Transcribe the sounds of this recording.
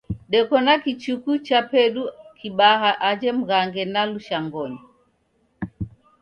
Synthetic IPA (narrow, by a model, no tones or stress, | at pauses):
ɗɛkɔnakit͡ʃukut͡ʃapɛɗukiɓaɦaʔad͡ʒɛm̩ɣaŋɡɛnaluʃaŋɡɔɲa